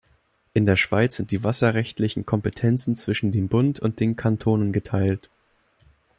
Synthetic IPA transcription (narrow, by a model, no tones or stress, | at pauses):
ʔɪndeːɐʃv̥aɪt͡sz̥ɪntd̥iːvasɐʁɛçtlɪçn̩kʰɔmpətʰɛnt͡sn̩t͡sv̥ɪʃn̩deːmbʊntʰʊnt̚d̥eːnkʰantʰoːnənɡətʰaɪlt